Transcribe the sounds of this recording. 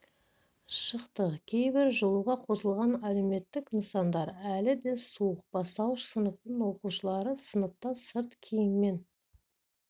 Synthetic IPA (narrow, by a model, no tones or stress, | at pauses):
ʃəqt̪əkʲʰe̞jbɪɾʒolˠuʁɑqʰo̞səlˠʁɑnæle̞me̞t̪ːɪknənəsɑnd̪ɑɾælɪd̪e̞suəq̚b̥ɑst̪ɑwʃsənəp̚t̪əɴwo̞quʃəlˠɑɾəsənəp̚t̪ɑsəɾt̪kʲʰejɪnme̞n